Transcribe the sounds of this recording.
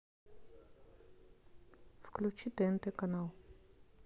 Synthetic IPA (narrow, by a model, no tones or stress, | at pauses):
fklʲut͡ʃʰid̪ɛnt̪ɛkanalˠ